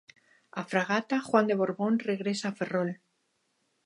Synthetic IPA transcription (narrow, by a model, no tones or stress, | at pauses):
afɾaɣ̞at̪axwand̪e̞βo̞ɾβo̞nre̞ɣɾe̞saːfe̞ro̞l